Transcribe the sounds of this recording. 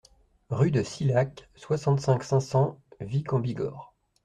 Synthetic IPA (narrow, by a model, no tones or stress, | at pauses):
ʁyd̪əsilak | swasɑ̃t̪sɛ̃ksɛ̃sɑ̃vikɑ̃biɡɔ̰ːʁ